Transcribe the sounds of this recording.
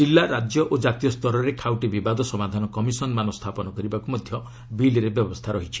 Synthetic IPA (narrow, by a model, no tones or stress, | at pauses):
d͡ʒilːaɾad͡ʒjɔʔod͡ʒat̪ijɔst̪ɔɾɔɾekʰawʈibibad̪ʱɔsɔmad̪ʱanɔkɔmisɔnmanɔst̪ʰapɔnɔkɔɾibakumɔd̪ʱjɔ | bilɾebjɔbɔst̪ʰaɾɔɦit͡ʃʰi̥